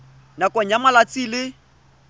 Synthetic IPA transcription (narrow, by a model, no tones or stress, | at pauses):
nakʼɔɲjamalat͡sʼilɪ